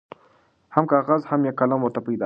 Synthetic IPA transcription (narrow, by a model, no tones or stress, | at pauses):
hamkɑɣazhamjakalamwəɾt̪apajd̪ɑ